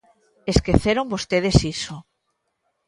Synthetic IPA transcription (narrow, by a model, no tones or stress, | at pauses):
eskeθeɾombost̪eðesiso